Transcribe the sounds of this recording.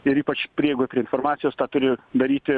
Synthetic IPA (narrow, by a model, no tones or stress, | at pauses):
ɪɾiːpɐt͡ʃpʲɾʲɪɛːɡoːpʲɾʲiɛɪnfoːɾmɑːt̪sʲɪjoːst̪ɑːt̪ʊɾʲɪd̪ɐɾʲiːt̪ʲɪ